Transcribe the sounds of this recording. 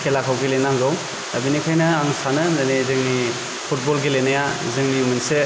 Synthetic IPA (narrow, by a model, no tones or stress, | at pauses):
kʰelakʰawɡelenaŋɡaw | ɐ̰binikʰajnɐaŋsanɯzanizɯŋni | pʰut̚bɔlɡelenajazɯŋnimɯnse